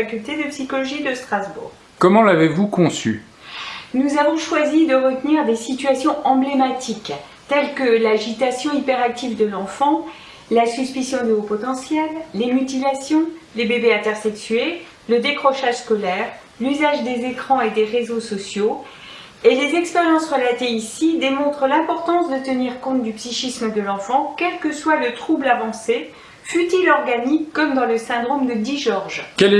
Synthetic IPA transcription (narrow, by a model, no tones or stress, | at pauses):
akʲylt̪ed̪əpsikɔlɔʒid̪əst̪χazbṵːʁ | kɔmɑ̃lavevukɔ̃sy̰ | nuzavɔ̃ʃwazid̪əʁət̪niʁd̪esit̪ɥasjɔ̃ɑ̃blemat̪ʰik | t̪ɛlkəlaʒit̪asjɔ̃ipɛʁak̚t̪ivd̪əlɑ̃fɑ̃ː | asyspisjɔ̃d̪əopɔt̪ɑ̃sjɛlːemyt̪ilasjɔ̃lebebeɛ̃t̪ɛʁsɛksɥe | ləd̪ekχɔʃaʒskɔlɛʁ | lyzaʒd̪ezekχɑ̃ed̪eʁezosɔsjo | elezɛkspeʁjɑ̃sʁəlat̪eisid̪emɔ̃t̪χəlɛ̃pɔʁt̪ɑ̃sd̪ət̪əniʁkɔ̃t̪̚d̪ypsiʃisməd̪əlɑ̃fɑ̃kʲɛlkəswalət̪χublavɑ̃se | fyt̪ilɔʁɡanikːɔmd̪ɑ̃ləsɛ̃d̪ʁomd̪əd̪iʒɔʁʒkɛl